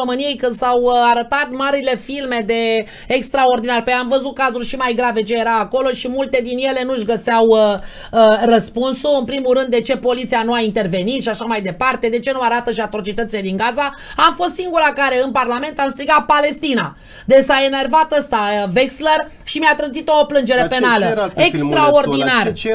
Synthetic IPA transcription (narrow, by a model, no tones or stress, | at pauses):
omɨnije̞jkɨnd̪sawaɾət̪at̪maɾile̞filme̞d̪e̞ː | kst̪ɾaord̪inarʲpejamvəzut̪̚kazurʲʃimajɡɾave̞t͡ʃe̞jeɾaːko̞lo̞ʃimult̪e̞d̪inje̞le̞nuʃɡəsawə | ərəspunsuɨnpɾimuɾɨnd̪e̞t͡ʃe̞po̞lit̪sijanuaint̪e̞rve̞nit̪ʃiaʃamajd̪epart̪e̞d̪e̞t͡ʃe̞nuaɾat̪əʃiat̪ɾo̞t͡ʃit̪ət̪sile̞d̪iŋɡaza | amfo̞st̪siŋɡuɾakaɾe̞ɨnparlame̞nt̪amst̪ɾiɡat̪̚pale̞st̪ina | d̪e̞saene̞rvat̪əst̪aveksler | ʃimjat̪ɾɨnzit̪oːplɨnd͡ʒe̞ɾe̞pe̞naləekst̪ɾao̞rd̪inar